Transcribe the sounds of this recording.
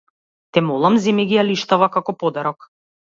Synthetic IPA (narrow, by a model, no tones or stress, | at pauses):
t̪ɛmɔlˠamzɛmɛɡʲijaliʃt̪avakakɔpɔd̪aɾɔk